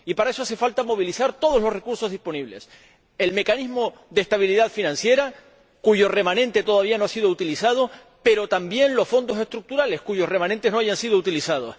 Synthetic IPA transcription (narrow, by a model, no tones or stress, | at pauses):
ipaɾae̞soase̞falt̪amo̞β̞ilisaɾt̪o̞ð̞olo̞sre̞kuɾso̞ɦðihpo̞niβle̞̰s | e̞lme̞kanizmo̞ðest̪aβiliðaðfinãnsje̞ɾa | kuʝo̞re̞mãnẽnt̪e̞t̪o̞ðaβianoasiðout̪ilisað̞o | pe̞ɾo̞t̪ambje̞nlo̞sfo̞nd̪o̞se̞ht̪ɾuk̚t̪uɾale̞hkuʝo̞hre̞mãnẽnt̪e̞no̞aʝansiðout̪ilisað̞o̰s